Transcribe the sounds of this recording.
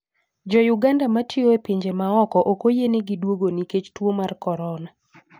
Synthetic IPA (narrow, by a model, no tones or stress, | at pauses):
d͡ʒɔjuɡandamatʰioepiɲd͡ʒemaɔkɔʔokojenɪɡidwoɡoniket͡ʃtwomarkɔɾɔna